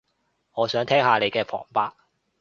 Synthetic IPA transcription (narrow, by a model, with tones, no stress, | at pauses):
ŋɔː˨˧sœː˨˥ŋt̪ʰɛː˥ŋhaː˧le˨˧jkɛː˧fʰɔ̰ː˨˩ŋpaː˧k̚